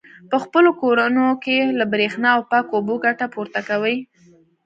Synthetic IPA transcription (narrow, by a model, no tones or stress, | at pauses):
pəxpəlokoɾanokelabɾexnɑawpɑkoboɡaʈapuɾt̪akawəj